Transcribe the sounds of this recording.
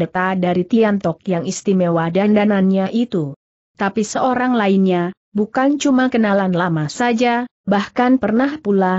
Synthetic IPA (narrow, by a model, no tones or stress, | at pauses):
ət̪adaɾit̪iant̪ɔk̚jaŋist̪imewadandananɲaʔit̪u | t̪apisəoɾaŋlainɲa | bukant͡ʃumakənalanlamasad͡ʒa | bahkanpərnahpula